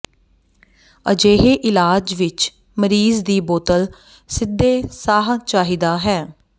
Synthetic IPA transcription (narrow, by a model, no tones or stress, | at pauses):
ə̰d͡ʒeːɦeːʔɪlaːd͡ʒʋɪt͡ʃ | məɾiːzd̪iːboːt̪əl | sɪd̪ːeːsaːɦt͡ʃaːɦiːd̪aːɦɛː